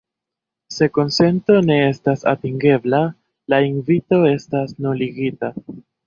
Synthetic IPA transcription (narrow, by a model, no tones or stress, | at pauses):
se̞ko̞nse̞nto̞ne̞e̞stasa̰tiŋɡe̞bla | lainvito̞e̞stasnuliɡita